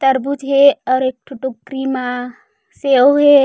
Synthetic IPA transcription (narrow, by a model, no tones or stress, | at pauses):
t̪ɐɾbud͡ʒɦeɔɾek̚ʈʰuʈukɾima | seoɦe